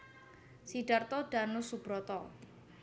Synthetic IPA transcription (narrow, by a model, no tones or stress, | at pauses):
siɖ̥art̪ɔɖ̥anʊsub̥ɾɔt̪ɔ